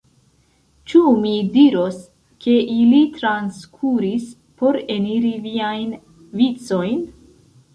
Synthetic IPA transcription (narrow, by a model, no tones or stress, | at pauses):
t͡ʃumidiɾo̞s | kʰe̞ʔilitɾanskʰuɾis | po̞ɾe̞niɾiviajn | vit͡so̞jn